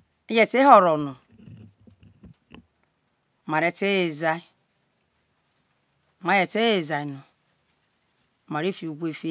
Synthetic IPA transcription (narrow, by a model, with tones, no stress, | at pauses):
e˦je˦˨te˦ɦo˨ɾɔ˨no˨ | ma˨ɾe˨te˦e˨za˦i˦˨ | ma˨je˨te˦e˨za˨i˨no˨ | ma˨ɾe˦fi˨u˨ɡʷe˦˨fi˦